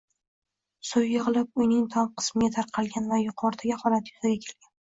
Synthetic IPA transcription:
sʊjːɨʁɨlˠɪp̚ʊjnɪŋt̪ʰɒmqʰɨ̥smɪɡʲat̪ʰaɾqʰɑlˠɡʲanvajʊqʰɒɾd̪aɡʲaχɒlat̪jʊzaɡʲakʲʰe̞̥lɡʲan

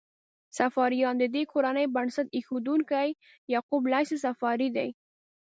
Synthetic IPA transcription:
safɑɾijɑnd̪əd̪ekʰoɾanəjbaɳsat̪exod̪uŋkaj | jɑqublajsesafɑɾid̪a̰j

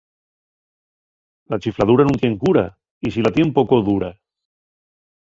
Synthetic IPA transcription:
lat͡ʃiflaðuɾanũnt̪jeŋkuɾa̰ | isilat̪jempokoðuɾa

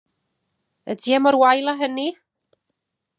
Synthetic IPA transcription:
ədiamɔɾwajlˠaɦəni

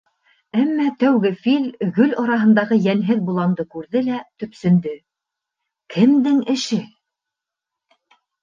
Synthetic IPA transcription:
æmːæt̪æwɡɘfilɡɵlɑɾɑɦɤ̆nd̪ɑʁɤjænɦɘðbulˠɑnd̪ɤkʉɾðɘlæt̪ɵ̆psɵ̆nd̪ɵ | kʰɘ̆md̪ɘŋɘ̆ʃɘ

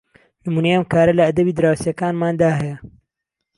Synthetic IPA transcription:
nɨmuːnɐjɐmkaːɾɐlɐɐd̪ɐbiːd̪ɨɾaːwsjɐkaːnmaːnd̪aːɦɐjɐ

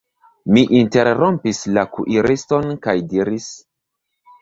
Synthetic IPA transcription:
miʔinte̞ɾɾompislakṵʔiɾisto̞nkajdiɾis

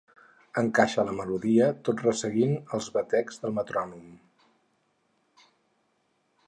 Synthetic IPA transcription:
əŋkaʃələməluðiət̪otrəsəɣinəlˠzβət̪ɛkz̥ðəlˠmət̪ɾɔnum

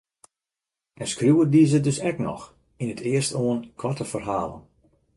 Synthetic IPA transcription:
ɛnskrjuːədizədøsɛknɔ̰x | inətʰɪərstoənkʰɔtəfərɦaːlˠə̰n

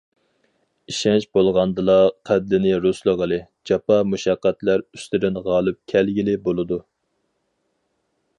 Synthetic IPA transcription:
iʃɛnt͡ʃbolˠʁɑnd̪ɨlˠɑqʰæblɪnɪɾuslˠəʁəlˠɨ | d͡ʒɑpɑmuʃɑqːæt̪læɾyst̪ɪd̪ɪnʁɑːlˠɨp̚kʲʰɛlɡʲilɪbolˠɨd̪u

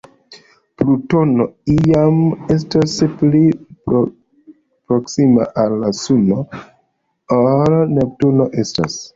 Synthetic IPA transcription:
pluto̞noiame̞s̬taspli | pɾo̞ksima̰ʔalːasuno | olnep̚tuno̞ʔe̞sta̰s

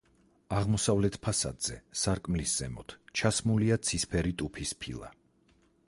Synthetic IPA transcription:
aʁmɔsavlɛt̪ʰpʰasa̰d̪z̥ɛsaɾkʼmlisz̥ɛmɔt̪ʰt͡ʃʰasmuliat̪sʰispʰɛɾit̪ʼupʰispʰilˠa̰

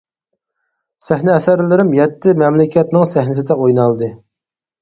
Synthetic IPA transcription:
sæhnɪɛsæɾlɪɾɪmjɛt̪ːɪmɛmlɪkʲɛt̪nɪŋsæhnɪsɪd̪ɛojnɑlˠd̪ɨ

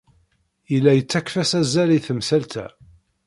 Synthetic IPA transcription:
jəlːæjət͡sːækfæsæzæliθəmsælt̪æ̰

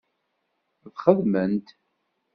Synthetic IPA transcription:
ðχəðmənt̪

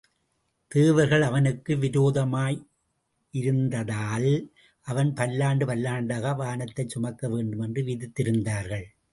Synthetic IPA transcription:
t̪eːʋɐɾɣɐɭɐʋɐnɯkːɯʋɪɾoːðɐmaːj | ɪɾɯnd̪ɐðaːl | ʔɐʋɐnpɐlːaːɳɖɯpɐlːaːɳɖaːɣɐʋaːnɐt̪ːɐɪt͡ʃsʊmɐkːɐʋeːɳɖɯmɛndrɯʋɪðɯt̪ːɪɾɯnd̪aːɾɣɐɭ

